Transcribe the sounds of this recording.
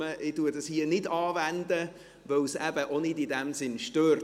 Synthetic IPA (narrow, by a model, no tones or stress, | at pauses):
əʔɪduːdɑshiənɪdɑːvændə | vœwsæb̥əʔonɪdidɛmsɪnʃtøːɾ